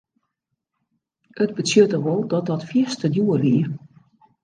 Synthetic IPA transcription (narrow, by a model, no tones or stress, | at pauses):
ʔədbətsjøtəʋɔlˠdɔt̚dɔtfjiəstədjuərʋiə